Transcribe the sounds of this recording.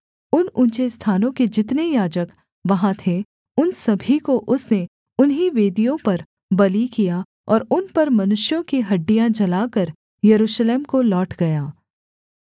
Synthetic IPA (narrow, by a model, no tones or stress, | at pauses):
ʊnʊ̃nt͡ʃest̪ʰaːnõked͡ʒɪt̪nejaːd͡ʒək | ʋɐɦãt̪ʰe | ʊnsɐbʱikoʔʊsne | ʊnɦiʋeːd̪ijõpɐɾ | bɐlikija | ɔːɾʊnpɐɾmɐnʊʃjõkiɦɐɖːijãd͡ʒɐlaːkɐɾ | jɐɾuːʃleːmkolɔːʈɡɐjaː